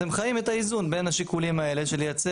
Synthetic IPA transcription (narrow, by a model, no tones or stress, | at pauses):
emχajime̞t̪aizunbe̞nhaʃikulimae̞le̞ʃeljat͡se